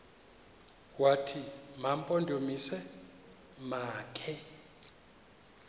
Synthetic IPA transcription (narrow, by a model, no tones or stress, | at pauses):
watʰimam̩pʼondʱomisɛ | maːkʰɛ